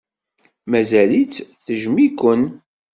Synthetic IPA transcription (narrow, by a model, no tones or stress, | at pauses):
mæzælit͡sθəʒmikʷːən